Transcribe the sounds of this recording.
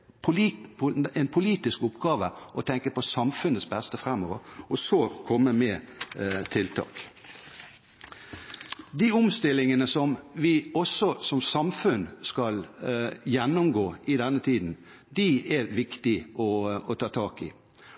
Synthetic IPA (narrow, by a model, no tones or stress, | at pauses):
pʰʊ | ɛnpʰʊliːt̪ɪskʊpɡɑːʋəʔɔt̪ʰɛŋkəpɔsɑmfʉnːət̪sbɛst̪əfɾɛmoːʋə̰ɾɔsoːkʰɔmːəmɛ | t̪ʰɪlt̪ʰɑ̰ːk | d̪iʊmst̪ɪlɪŋənəsɔmʋɪɔsɔsɔmsɑmfʉnskɑljɛnːʊmɡoːɪd̪ɛnːət̪ʰiːd̪n̩ | d̪ɪɛɾʋɪkt̪ɪɔɔt̪ʰɑːt̪ʰɑːkɪ̰